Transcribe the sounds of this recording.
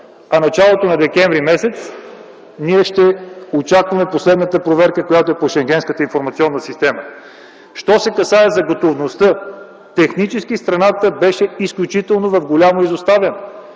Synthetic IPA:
ɐnɐt͡ʃalˠot̪onɐd̪ɛkʲɛnvɾimɛsɛt̪s | niɛʃt̪ɛot͡ʃakvɐmɛposlɛd̪nət̪əpɾovɛɾkəkojat̪oɛpoʃɛŋɡʲɛnskət̪əinfoɾmɐt̪siɔnːəsist̪ɛmə | ʃt̪ɔsɛkɐsaɛzɐɡot̪ovnost̪ɤ | t̪ɛxnit͡ʃɛskist̪ɾɐnat̪əbɛʃɛisklʲut͡ʃit̪ɛlˠnovɐvɡolʲamoizost̪avɐno

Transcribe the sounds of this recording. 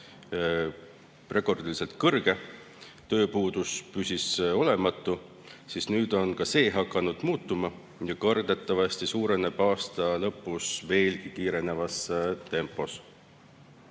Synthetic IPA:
re̞ko̞rd̪ilise̞lt̪̚kɤrɡ̥e̞ | t̪ø̞ːpuːd̪̥uspysʲiso̞le̞mɑt̪ːˑu | sisnyːd̪̥o̞nkɑse̞ːɦɑkːˑɑnud̪̥muːt̪ːˑumɑ | jɑkɑrd̪e̞t̪ˑːɑvɑst̪isuːɾe̞neb̥ɑːst̪ɑlɤ̞pːˑusve̞ːlkikiːɾe̞ne̞vɑst̪e̞mpːˑo̞s

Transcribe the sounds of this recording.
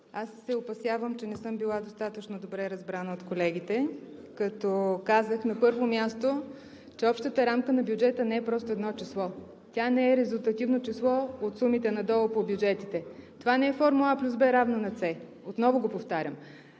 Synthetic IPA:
asːɛopɐsjavəmt͡ʃɛnɛsɤmbilˠad̪ost̪at̪ət͡ʃnod̪obɾɛɾɐzbɾanəot̪kolɛɡ̟it̪ɛkɐt̪ɔkazəxnɐpɤɾvomʲjast̪o | t͡ʃɛɔpʃt̪ət̪əɾamkənɐbjud͡ʒɛt̪ənɛɛpɾɔst̪oɛd̪nɔt͡ʃɛslˠɔ | t̪ʲanɛɛɾɛzʊlˠt̪ɐt̪ivnot͡ʃɛslˠɔot̪sumit̪ɛnɐd̪ɔlˠəpobjud͡ʒɛt̪it̪ɛt̪ovanɛɛfɔɾmulˠaplʲuzbɛɾavnənɐt̪sɛ | ot̪nɔvoɡopoft̪aɾʲjəm

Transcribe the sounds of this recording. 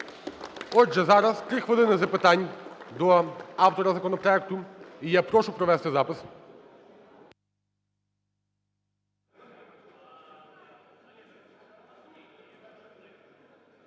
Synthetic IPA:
ɔʒɛzaɾaskɾixvɔd̪ɛnɛzɐpɛt̪anʲd̪ɔaft̪ɔɾɐzɐkɔnɔpɾɔɛkt̪ʊijapɾɔʃupɾɔvɛst̪ɛzapɪs

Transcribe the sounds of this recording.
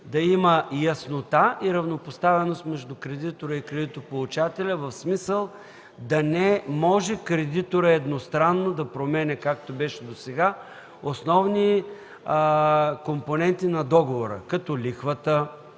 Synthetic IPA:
d̪ɐiməjɐsnot̪aiɾɐvnopost̪avɛnost̪mɛʒd̪ʊkɾɛd̪it̪oɾəikɾɛd̪it̪opolˠut͡ʃat̪ɛlʲɐvɐfsmisəlˠ | d̪ɐnɛmɔʒɛkɾɛd̪it̪oɾəɛd̪nost̪ɾanːod̪ɐpɾomɛnʲɛkakt̪obɛʃɛd̪osɛɡa | osnɔvni | komponɛnt̪inɐd̪ɔɡovoɾə̰kɐt̪ɔlʲixvət̪ə

